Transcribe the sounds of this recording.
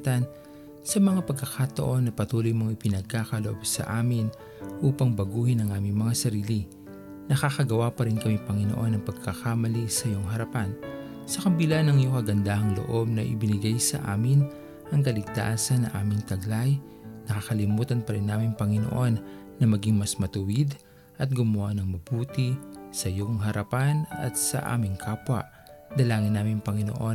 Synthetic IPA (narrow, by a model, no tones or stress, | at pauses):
t̪ɐn | sɐmɐŋapɐɡ̚kɐkat̪ɐʔo̞nːɐpɐt̪uːlʊjmoŋɪpɪnɐɡ̚kakɐloʔobsɐ̰ʔaːmɪn | ʔuːpɐŋbɐɡuːhɪnɐŋʔaːmɪŋmɐŋasɐɾiːli | nɐxaxɐɡɐwapɐɾɪnkɐmipɐŋɪnoʔo̞nɐŋpɐɡ̚kakamɐlisɐjoŋɦɐɾɐpan | sɐkɐbɪlanɐŋɪjoŋkɐɡɐnd̪aːhɐŋlo̰ʔo̞b̚nɐʔɪ̰bɪnɪɡajsɐ̰ʔa̰ːmɪn | ʔɐŋkɐlɪɡ̚t̪a̰ːsɐnːɐŋʔaːmɪŋt̪ɐɡlaj | nɐkakɐlɪmuːt̪ɐnpɐɾɪnːaːmɪŋpɐŋɪno̞̰ʔo̞nː | ɐmɐɡiŋmɐsmɐt̪ʊwɪd̪ | ʔɐt̪̚ɡʊmʊhanɐŋmɐbuːt̪isɐjoŋɦɐɾɐpanɐ̰t̪̚sɐ̰ʔa̰ːmɪŋkʰaːpwɐ̰ʔ | d̪ɐlaːŋɪnːaːmɪŋpɐŋɪno̰ʔo̞